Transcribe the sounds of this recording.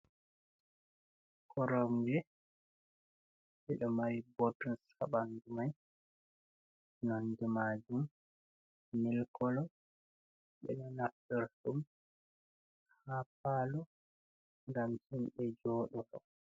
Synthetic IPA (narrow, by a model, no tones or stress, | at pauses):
kʰɔɾɔmd͡ʒɛ | ɓɛɗɔmaɾibɔtːɔnsaɓanɡumaj | nɔndɛmaːd͡ʒum | nilkʰɔlɔ | ɓɛ̰nɔnafdɔɾɗum | hapaːlɔ | ŋɡamhimɓɛd͡ʒɔːɗɔɗɔ